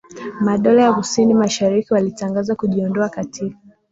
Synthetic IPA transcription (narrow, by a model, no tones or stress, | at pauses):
maɗɔlajakusinimaʃaɾikiwalitaŋɡazakuʄiɔndɔakatʰika